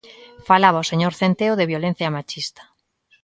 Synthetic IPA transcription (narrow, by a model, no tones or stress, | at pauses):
falaβaoseɲoɾθent̪eoðeβjolẽn̟θjamat͡ʃist̪ḁ